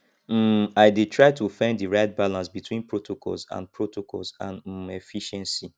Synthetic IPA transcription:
m̩aɪditʰɹaɪtʰufɛ̃ndiɹaɪt̚balãnsbitwĩnpʰɹotʰokʰɔ̰lzã̰npʰɹotokɔ̰lˠzãnefiʃɛ̃nsi

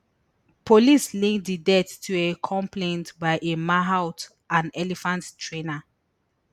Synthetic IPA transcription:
pʰolislĩŋdədɛtʰːuekʰɔ̃mpʰlẽntbaɪʔemaɦaʊt | ʔãnɛlifãnttːɹẽna

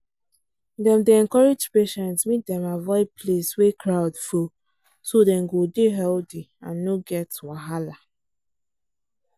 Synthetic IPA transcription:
dɛ̃mdeɛ̃nkɔɹed͡ʒpeʃɛ̃ntsmit̚dɛ̃mavɔɪpʰleswekɹaʊdfo | sodɛ̃mɡodeɦɛldi | ãnːoɡɛtwaɦala

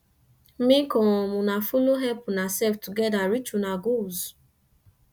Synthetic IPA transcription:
mĩkɔ̃ɔmũnafoloɦɛpunasɛftuɡɛdaɾit͡ʃunaɡoz

